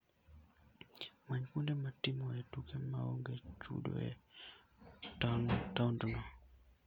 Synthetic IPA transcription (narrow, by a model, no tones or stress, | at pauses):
maɲkundematɪmɔɛtukʰemao̰ŋɡet͡ʃṵdo̰ɛ̰ | tandɔnɔ